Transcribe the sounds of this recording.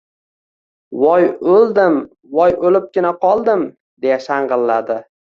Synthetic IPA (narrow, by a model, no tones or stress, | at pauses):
wɒjɵlˠd̪ɪm | vɒjolɪp̚ɡʲɪnaqʰɒlˠd̪ɪm | d̪e̞jaʃaɴʁɨlːad̪ɪ